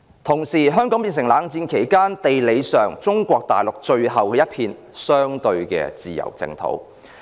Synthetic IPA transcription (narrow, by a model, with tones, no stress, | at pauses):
t̪ʰʊ˨˩ŋsiː˨˩ɦœː˥ŋkɔː˨˥ŋpiː˨˧ns̬ɪ˨˩ŋlaː˨˧ŋt͡siː˧nkʰe˨˩jkaː˥nt̪e˨jle˨˧jsœː˨ŋt͡sʊ˥ŋkʷɔː˧k̚t̪a̰ː˨˩jlʊ˨k̚t͡ʃɵ˧ɥɦɐ˨wkɛː˧˦jɐ˥t̚pʰiː˧n | sœː˥ŋt̪ɵ˧ɥkɛ̰ː˧t͡siː˨jɐ̰˨˩wt͡sɪ̰˧ŋt̪ʰo̰˨˥w